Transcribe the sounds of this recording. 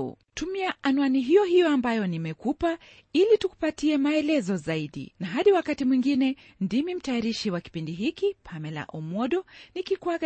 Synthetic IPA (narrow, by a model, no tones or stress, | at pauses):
tumiaʔanuaniɦijɔɦijɔambajɔnimɛkupa | ilituku̥patiɛmaɛlɛzɔzaiɗḭnaɦaɗiwakatimwiŋɡinɛ | ndimim̩tajaɾiʃiwaki̥pindiɦikipʰamɛla̰ʔɔmɔɗɔnikikwa